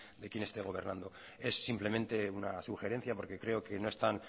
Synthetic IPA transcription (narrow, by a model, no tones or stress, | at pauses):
d̪e̞kje̞ne̞st̪e̞ɣo̞β̞e̞ɾnand̪o̞ | e̞sːimple̞mẽnt̪e̞unasuxe̞ɾẽ̞n̟θjapo̞ɾke̞kɾe̞o̞ke̞no̞e̞st̪an